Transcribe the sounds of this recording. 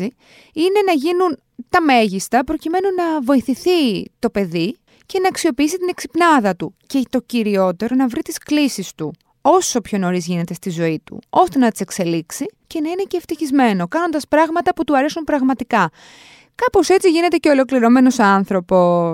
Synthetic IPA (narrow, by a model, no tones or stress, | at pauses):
i | ine̞nɐʝinun | t̪ɐmeʝist̪ɐpɾo̞cime̞nunɐvo̞iθiθit̪o̞pe̞ði | ce̞nɐːksio̞piisit̪ine̞ksi̥pnɐðɐt̪uce̞t̪o̞ciɾio̞t̪e̞ɾo̞nɐvɾit̪isklisist̪u | o̞so̞pço̞no̞ɾizʝine̞t̪e̞st̪izo̞it̪ṵo̞st̪e̞nɐt̪i̥se̞kse̞liksice̞nɐine̞ceːft̪içizme̞no̞kɐno̞nd̪ɐspɾɐɣmɐt̪ɐput̪uɐɾe̞sunpɾɐɣmɐt̪ikɐ | kɐpo̞se̞t͡siʝine̞t̪e̞ceo̞lo̞kliɾo̞me̞no̞sɐnθɾo̞po̞